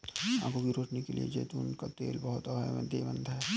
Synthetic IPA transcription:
ã̰ːkobiɾoːʈnikelḭḛd͡ʒeːt̪uːnkat̪ḛːlbɐɦʊt̪ɐbʱaʋə̰nd̪eːbə̃nd̪ʱɦɛː

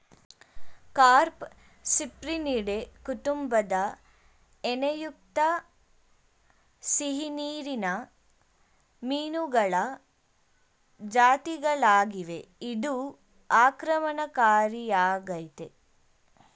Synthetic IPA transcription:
kaːɾp | sipɾiniɽekuʈ̪umbɐd̪ɐ | enɐjuk̚t̪ɐ | siɦiniːɾinɐ | miːnuɡɐɭɐ | d͡ʒaːt̪iɡɐɭaːɡiʋeid̪u | aːkɾɐmɐnɐkaːɾijaːɡɐjt̪e

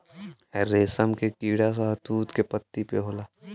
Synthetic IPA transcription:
ɛɾeːsəmkekiːɽas̬at̪uːt̪kepət̪ːipeɦoːlaː

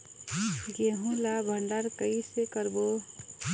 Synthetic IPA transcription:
ɡeɦũlabʱəɳɖaɾkəisekəɾbo

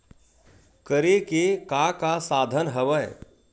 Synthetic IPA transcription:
kəɾekekakasaːd̪ʱənɦəʋəj

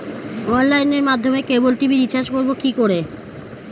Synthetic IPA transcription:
ɔnlajneɾmad̪ʱːomekebolʈibiɾit͡ɕad͡ʑkoɾbokikoɾe

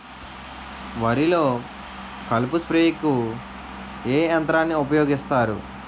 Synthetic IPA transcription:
ʋɐɾilo̞ː | kɐlpuspɾeːikːu | eːɐnt̪ɾaːnːiupɐjoːɡist̪aːɾṵ

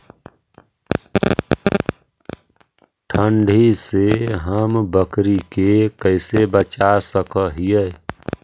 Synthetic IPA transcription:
ʈʰəɳɖʱiseɦəmbəkɾikekəɪsebət͡ʃasəkəɦijə

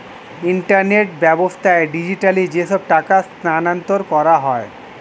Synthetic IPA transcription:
iɳʈaɾneʈ̚bɛbost̪aeɖid͡ʑiʈalid͡ʑeʃɔb̚ʈakasnanant̪oɾkɔɾaɦɔe

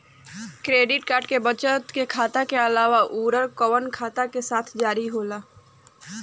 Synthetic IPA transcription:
kɾeːɖɪʈkaːɾɖkebət͡ʃət̪kekʰaːt̪akeɐlaːʋaʔuːɾəɾkɔʋənkʰaːt̪akesaːt̪ʰd͡ʒaːɾiɦoːlaː

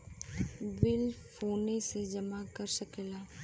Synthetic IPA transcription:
bɪlfʰoːnesed͡ʒɐmakɐɾsəkelaː

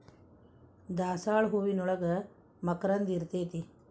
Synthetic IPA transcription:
d̪aːsaːɭɦuːʋinɔɭɐɡɐ | mɐkɾɐnd̪iɾt̪eːt̪i

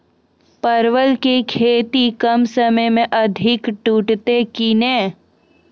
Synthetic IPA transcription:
pəɾwəlkekʰeːt̪ikəmsəməjmẽʔɐd̪ʱɪkʈuːʈt̪ekineː

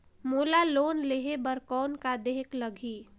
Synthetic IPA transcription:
moːlaloːnleɦebəɾkɔːnkad̪eɦkləɡʱi

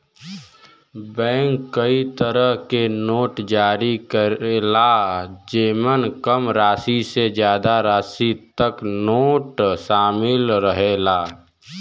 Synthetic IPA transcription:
bɛ̃ːŋkːəit̪əɾəɦkenoːʈd͡ʒaːɾikəɾelad͡ʒeːmənkəmɾaːsised͡ʒjaːd̪aɾaːsit̪əknoːʈʃaːmɪlɾəɦeːlaː

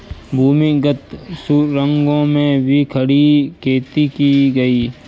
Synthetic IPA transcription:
bʱuːmiɡət̪suɾə̃ŋɡõmẽbʱikʰəɽikʰeːt̪ikiɡɐiː

